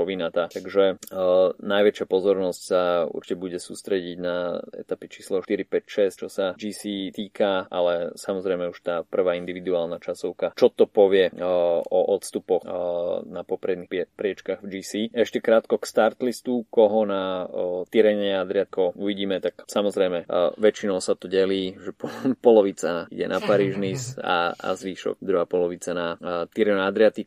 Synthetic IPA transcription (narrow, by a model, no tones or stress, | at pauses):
ɔʋinat̪at̪aɡʒɛ | najʋɛt͡ʃɪapɔzɔɾnɔscsaṵɾt͡ʃicɛbuɟɛsuːst̪ɾɛɟiɟnaɛ̰t̪apit͡ʃiːslɔʃt̪iɾipɛcʃɛst͡ʃɔsad͡ʒiːsiːt̪iːkaʔalɛsamɔzɾɛjmɛuʃt̪aːpr̩ʋaːind̪iʋid̪uaːlˠnat͡ʃasɔʊkat͡ʃɔt̪ɔpɔʋɪɛɔʔɔt̪st̪upɔxnapɔpɾɛd̪niɛpɾɪɛt͡ʃkaɣvd͡ʒiːsiɛʃcɛkɾaːt̪kɔkst̪aɾt̪list̪ukɔɦɔnat̪iɾɛɲɛad̪ɾɪat̪̚kɔuʋiɟiːmɛt̪aksamɔzɾɛjmɛʋɛt͡ʃinɔʊsat̪ɔɟɛliːʒɛppɔlɔʋit͡saḭɟɛ̰napaɾiːʒnisa̰a̰zʋiːʃɔ̰kd̪ɾuɦaːpɔlɔʋit͡sanat̪iɾɛad̪ɾɪat̪ik